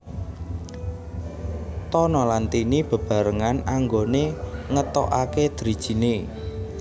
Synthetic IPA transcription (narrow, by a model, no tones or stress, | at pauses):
t̪ɔnɔlant̪inib̥ə̤b̥a̤ɾəŋanaŋɡoneŋət̪ɔ̰ʔaked̪̥ɾid̥ʒ̥i̤ne